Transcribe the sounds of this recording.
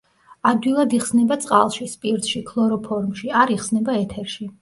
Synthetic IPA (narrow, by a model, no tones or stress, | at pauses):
ad̪wilˠad̪iχsnɛbat̪sʼqʼa̰lˠʃispʼiɾt̪ʃikʰlˠɔɾɔpʰɔɾmʃiaɾiχsnɛbaɛt̪ʰɛɾʃi